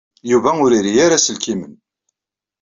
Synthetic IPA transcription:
juvæʊɾiɾijaɾæsəlkimən

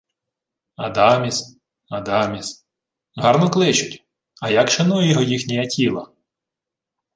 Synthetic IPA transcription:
ɐd̪ɑmʲis | ɐd̪ɑmʲis | ɦɑɾnɔklˠɪt͡ʃʊtʲ | ɐjakʃɐnujɛjɔɦɔjixnʲɛjɐtʲʰilˠɐ

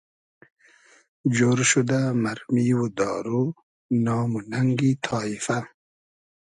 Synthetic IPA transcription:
d͡ʒoɾʃud̪amaɾmiwud̪ɑːɾu | nɑːmunaŋɡit̪ʰɑːifa

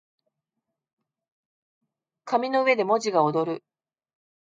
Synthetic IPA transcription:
kamʲino̞ɯ̟βe̞d̪e̞mo̞ʑiɡaod̪o̞ɾɯ̟

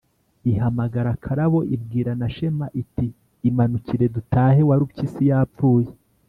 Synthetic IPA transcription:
iɦamaɡaɾakʰaɾaβo̞ʔib̚ɡiːɾanaʃe̞maʔitiː | manuciɾe̞dutaːhe̞waɾucisijaːp̪p͡fuːje

